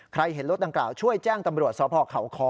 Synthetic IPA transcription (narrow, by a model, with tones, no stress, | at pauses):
kʰɾa˧jɦe˩˦nɾlo˦˥t̪̚da˨˧ŋklaː˨˩wt͡ɕʰu˥˩əjt͡ɕɛː˥˩ŋt̪a˧mɾu˨˩ət̪̚sɔː˩˦˥pʰɔː˧kʰa˩˦wkʰɔː˦˥